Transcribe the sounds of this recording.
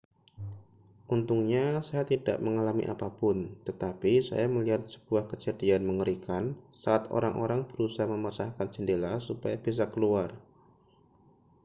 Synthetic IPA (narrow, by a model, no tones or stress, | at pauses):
ʔunt̪uŋɲasajat̪ida̰ʔməŋalamḭʔa̰papʊnt̪ət̪apisa̰jaməliɦat̪̚sə̥b̥uahkət͡ʃərdianməŋəɾikansaːt̪o̰ɾaŋʔoɾaŋb̥əɾusaɦməmasahkand͡ʒəndelasupajab̥is̬akəluar